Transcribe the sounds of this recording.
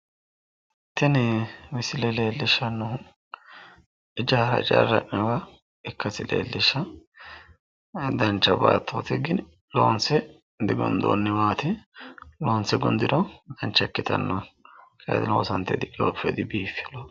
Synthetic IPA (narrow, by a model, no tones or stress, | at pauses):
t̪ɛnwɪsɪlɛleːlːɪʃɐnːɔ | ɪd͡ʒɐɾɐ̰ɪt͡ʃʼa̰rːɐ̰ʔɛwa | ɪkːɐsɪlḛːlːɪʃːɐ | d̪ɐnt͡ʃːɐba̰ːt̪ʰːoːt̪ɪɡɪn | lo̰ːnsɛ | d̪ɪɡɔ̰nd̪o̰nːɛwaːt̪ɪ | loːnsɛɡʊnd̪ɪdɔd̪ɐnt͡ʃːɐkːɪt̪ɐ̰nːɔkʰʼḛːd̪lo̰ːsɐnt̪ːɛd̪ɪkʼo̰ːfɛd̪ɪbiːfɪlo